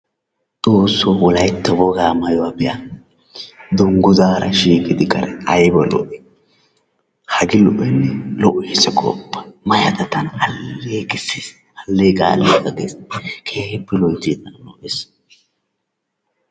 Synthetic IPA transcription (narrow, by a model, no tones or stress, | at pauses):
t͡sʼoːsːoːwɔlɐjt̪ːɛwɔɡaːmɐjɔwabɪja | d̪ʊŋɡʊzaːɾʔɐʃiːkʼɪd̪ɪkʼɐ̰ɾɛɐjbɐlɔ̰ʔɛ | hɐɡɪlɔʔɛnːɛlɔʔeːsɛkʼɔ̰pːɐjmɐjɐt̪ɐt̪ɐnɐlːeːkʼɪsːis | ɐlːeːkʼa̰ːlekɐɡḛːskʰe̞ːhɛpːɛlɔjt̪iːt̪ɐnlɔʔes